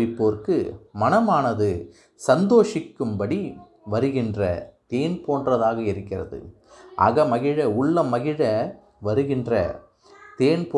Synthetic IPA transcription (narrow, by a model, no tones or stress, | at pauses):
ɪpːoːɾkɯmɐnɐmaːnɐðɯ | sɐnd̪oːʂɪkːɯmbɐɽi | ʋɐɾɯɣɪndrɐ̰t̪eːnpoːnrɐðaːɣɐɪɾɯkːɪrɐ̰ðɯ̰ | ʔɐ̰ɣɐmɐɣɪɻɐʊɭːɐmɐɣɪɻɐ | ʋɐɾɯɣɪndrɐ̰ | t̪eːnpoː